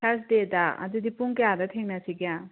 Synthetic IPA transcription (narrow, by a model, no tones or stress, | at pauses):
sʰas̬dedaɐ̰dudipuŋkejadɐt̪ʰeŋnɐsiɡija